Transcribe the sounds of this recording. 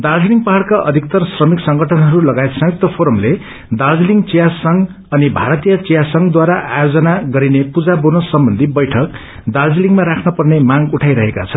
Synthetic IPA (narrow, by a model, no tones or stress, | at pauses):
d̪ard͡zliŋɡpaɦaɽkaʔʌd̪ʱik̚t̪ʌrsrʌmiksʌŋɡʱʌʈʰʌnɦʌɾulʌɡaet̪sʌŋik̚t̪ʌpʰoɾʌmle | d̪ard͡zliŋɡt͡sijasʌŋ | ʌnibʱaɾʌt̪ijʌt͡sijasʌŋɡd̪waɾaʔajod͡zʌnaɡʌɾinepud͡zabonosʌmbʌnd̪ʱibʌjʈʰʌk | d̪ard͡zliŋɡmaɾakʰnʌpʌrnemãŋɡuʈʰajɾʌɦeka̰t͡sʰʌn